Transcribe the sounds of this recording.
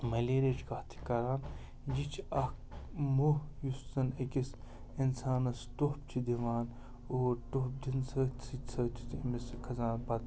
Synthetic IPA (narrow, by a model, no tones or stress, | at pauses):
mɐleːɾet͡ʃʰkɐht̪ʰi̥kɐɾaːn | d͡ʒit͡ʃʰɐkmuɦjust̪ɐnɐkis | insaːnɐsʈoɦpt͡ʃʰid̪iʋaːn | oːʈoɦp̚d̪insɐt͡sʰit͡sʰɐt̪ʰi̥t̪miskʰɐzaːnpɐt̪